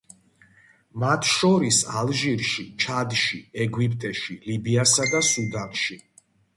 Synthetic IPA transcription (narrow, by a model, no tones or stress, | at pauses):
mat̪ʰʃɔɾisalˠʒiɾʃit͡ʃʰad̪ʃiɛɡwipʰʼt̪ʼɛʃilibiasad̪asud̪anʃi